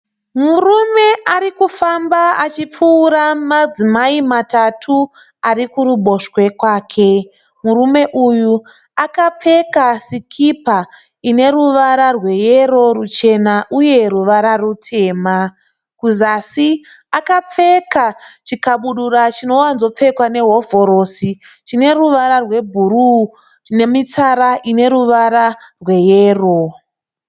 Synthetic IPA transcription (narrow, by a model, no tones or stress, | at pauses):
murume̞ʔaɾikufambaat͡ʃip͡fuːɾamad͡zimaimatatʰu | aɾikuruɓo̞ʃwe̞kwaːkʰe̞ | murume̞ʔuju | akap͡fe̞kasikʰipa | ine̞ruʋaɾarwe̞jeɾo̞rut͡ʃe̞naʔuje̞ɾuʋaɾarutʰe̞ːma | kuzasi | akap͡fe̞kat͡ʃikaɓuɗuɾat͡ʃino̞wanzo̞p͡fe̞kwane̞ɦo̞vo̞ɾo̞sit͡ʃine̞ruʋaɾarwe̞bʱuɾu | ne̞mit͡saɾaʔine̞ɾuʋaɾarwe̞jeːro